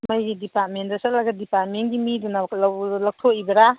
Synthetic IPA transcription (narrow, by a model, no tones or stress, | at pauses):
mɐjɡidipat̚mentɾɐsalaɡɐdipat̚menɡimidunalawlɐk̚tʰoibɐɾa